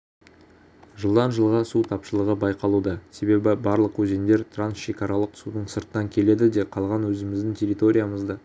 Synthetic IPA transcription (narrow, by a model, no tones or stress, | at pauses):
ʒəlˠd̪ɑnʒəlˠʁɑsut̪ʰɑpʃəlˠəʁəbɑjqɑlˠud̪ɑse̞be̞bɪbɑɾlˠəqwʰɵze̞nd̪e̞ɾt̪ʰransʃe̞kʲɑɾɑlˠəqsud̪əɴsəɾt̪ənɑŋkʲʰe̞le̞d̪ɪd̪e̞qʰɑlˠʁɑnwɵzɪmɪzd̪ɪŋtʲʰe̞ɾʲit̪o̞ɾʲijaməzd̪ə